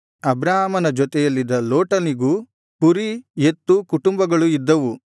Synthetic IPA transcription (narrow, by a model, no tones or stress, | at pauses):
ɐbɾaːɦɐmɐnɐd͡ʒɔt̪ɛjɐlːid̪ɐloːʈɐniɡuː | puɾije̞t̪ːukuʈumbɐɡɐɭuid̪ːɐʋu